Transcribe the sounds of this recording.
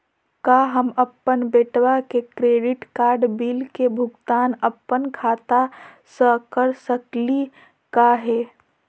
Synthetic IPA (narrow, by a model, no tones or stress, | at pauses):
kaɦəməpːənbeːʈwakekɾeːɖɪʈkaːɾɖbiːlkebʱʊɡt̪aːnəpːənkʰaːt̪a | səkəɾsəkli | kaɦɛː